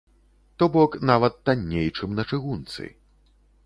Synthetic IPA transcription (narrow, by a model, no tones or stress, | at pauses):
t̪ɔbɔknavɐt̪ːanʲːejt͡ʂɨmnɐt͡ʂɨɣunt̪sɨ̰